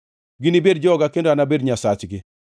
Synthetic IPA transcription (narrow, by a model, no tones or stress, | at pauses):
ɡɪnibedd͡ʒɔɔɡakendoanabedɲasat͡ʃɡɪ